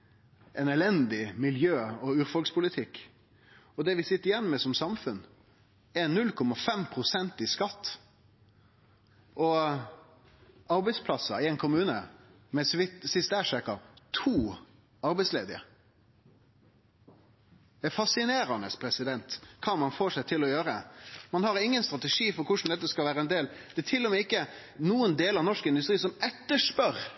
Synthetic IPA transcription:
ʔɛnɛlɛnd̪ɪmɪljøːɔʉːʁfɔlkspʰʊlɪt̪ʰɪkː | ɔd̪ɛʋɪsɪt̪ːəɾjɛnːmɛsɔmsɑmfʉn | ɛnnʉlkʰɔmɑfɛmpʰʁʊsɛnt̪ɪskɑt̪ː | ʔɔ | ɑɾbɛɪspʰlɑsːɑɪɛɪnkʰʊmʉːnə | mɛsʋɪt̪sɪst̪æːʂækɑt̪ʰuː | ɑɾbɛɪsleːd̪ɪə̰ | ɛfɑsɪneːɾɑnəspʰɾɛsɪd̪ɛnt̪kʰɑːmɑnfoːʂæɪt̪ʰɪlɔjøːɾəmɑnhɑɾɪŋːənst̪ɾɑt̪ɛʂiːfɔɾkʰʊʂn̩d̪ɛt̪ːəskɑlʋæːɾəɛnd̪eːld̪̥ɛt̪ʰɪlːɔmɛːɪkːə | nuːənd̪eːlɑʋnɔʂkɪnd̪ʉst̪ɾiːsɔmɛt̪ːəʂpœɾ

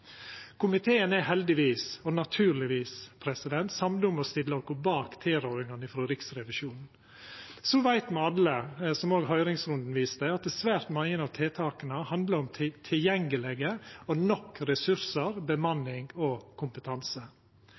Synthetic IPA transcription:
kʰʊmɪt̪ʰeːənæɦɛld̪ɪʋiːsɔnɑt̪ʰʉːɾlɪʋiːspʰɾɛsɪd̪ɛnt̪sɑmd̪ʊməst̪ɪlːɔkɔbɑːkt̪ʰeːɾœːɾɪŋɑnɪfɾoːɾɪksɾɛʋɪʃuːnn̩ | sɔʋæɪt̪mɛɑləsɔmoːɡɦœʏɾɪŋsɾʉnd̪n̩ʋiːsd̪əɑt̪̚d̪ɛsʋæːɾt̪mɑŋənɑːʋt̪ʰeːt̪ʰɑːkənəhɑnd̪ləɾɔmt̪ʰɪt̪ʰɪljɛŋɡəlɛɡəɔnɔkːɾɛsʉɾsəɾbəmɑnːɪŋɔkʰʊmpət̪ʰɑnsə

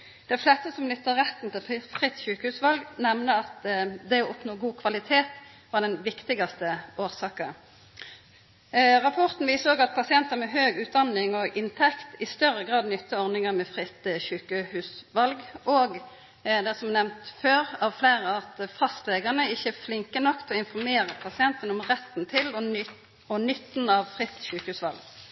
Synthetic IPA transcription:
d̪̥ɛflɛst̪əsɔmnʏt̪ːəʁɛt̪ːn̩t̪ɪlfʁɪt̪ːɕʉːkəhʉːsʋɑlɡnɛmnəɑt̪d̪ɛɔɔpnoːɡuːkʰʋɑlɪt̪ʰeːt̪ | ʋɑːɖɛnʋɪkt̪ɪɡɑst̪əoːʁsɑːkə | ʁɑpʰɔʁt̪n̩ʋiːsəoːɡɑt̪̚pʰɑsɪɛnt̪əʁmɛɦøːɡʉːt̪̚d̪ɑnɪŋɔɡʔɪnt̪ʰɛkt̪ɪst̪œʁːəɡʁɑːd̪nʏt̪ːəɔʁnɪŋəmɛfʁɪt̪çʉːkəhʉːsʋɑlɡoːɡ | d̪ɛsɔmnɛmnt̪føːʁɑʋfleːʁəɑt̪fɑst̪leːɡənəɪçːəflɪŋkənɔkt̪ʰɔɪnfɔɾmeːʁəpʰɑsɪɛnt̪ənɔmʁɛt̪ːnt̪ʰɪl | ɔnʏt̪ːn̩ɑʋfʁɪt̪ːçʉːkəhʉːsʋɑ̰lɡ

